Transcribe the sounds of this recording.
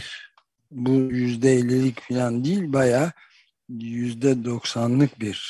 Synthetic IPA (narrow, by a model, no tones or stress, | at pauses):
bujyzd̪ɛelʲːilʲicfilʲand̪ijilʲbajaː | jyzd̪ɛd̪o̞ksanlˠɯkbiɾ̥